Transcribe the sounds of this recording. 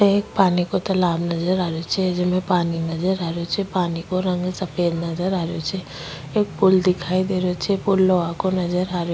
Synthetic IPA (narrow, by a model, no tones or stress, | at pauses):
t̪eeːk̚paːnikot̪ɐlaːbnɐzəɾaːɾot͡ʃʰɛd͡ʒɪmẽpaːninɐzəɾaːɾot͡ʃʰɛpaːnikoɾə̃ŋɡsəpʰeːd̪nɐzəɾaːɾjot͡ʃʰɛ | eːk̚pʊld̪ɪkʰaːid̪eːɾot͡ʃʰɛpʊlːoakonɐd͡ʒəɾaːɾjo